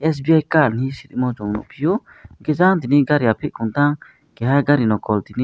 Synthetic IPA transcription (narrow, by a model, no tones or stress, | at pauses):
ɛs̬biajkaɾnisit̪imɔd͡ʒɔŋnṵʔpʰijo | ɡɛzant̪iniɡaɾiapʰiʔkunt̪aŋ | kɛhaɡaɾinɔkɔlt̪ini